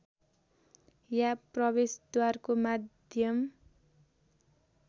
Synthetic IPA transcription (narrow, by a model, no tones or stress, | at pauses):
japrʌβesd̪warkomad̪jʌm